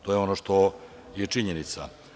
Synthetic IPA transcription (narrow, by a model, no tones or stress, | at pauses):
t̪o̞jeo̞noʂt̪o̞ | jet͡ʂiɲenit̪sa̰